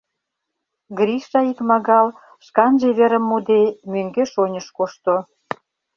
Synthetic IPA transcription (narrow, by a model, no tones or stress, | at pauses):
ɡɾiʃɑikmɑɣɑl | ʃkɑnʒeβeɾə̆mːud̪emøŋɡeʃonʲə̆ʃkoʃt̪o